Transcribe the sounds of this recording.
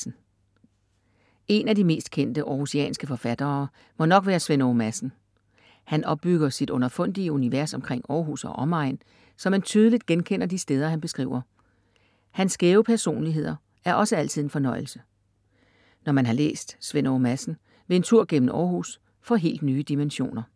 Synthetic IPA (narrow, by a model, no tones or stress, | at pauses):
n̩ | e̝nædime̝̰ːsd̥̚kʰen̰d̥əʔɒːhusiɛ̰ːnsɡ̥əfɒ̽fæd̥ɐː | mɒ̽nɒ̽ɡ̥ʋæːɐsʋenoːmæsn̩ | hænɒ̽b̥ːyɡ̥ɐsid̥ɔ̽nɐfɔ̽n̰d̥iəuniʋæɐsɒ̽mkʰʁeŋ̰ɒːɦusɒʔɒ̽mɑ̈ɪn | sɒ̽mːænt͡sʰyːð̞ˠlid̥̚ɡ̥enkʰen̰ɐd̥isd̥eːð̞ˠɐhænb̥e̝sɡ̥ʁḭːʊ̰ɐ | hænsɡ̥eːʊpʰæɐso̝̰ːnliɦe̝ð̞̰ˠɐ | æɐʔɒ̽səæl̰t͡sʰið̰ˠe̝nfɒ̽nɒ̽ɪl̩sə | nɒmænɦɑ̈lḛːsd̥sʋenomæsn̩ | ʋe̝e̝nt͡sʰuɐ̰ɡ̥em̰n̩ɒ̰ːhus | fɒ̽ɦe̝̰ːld̥nyːəd̥imenɕo̝̰ːnɐ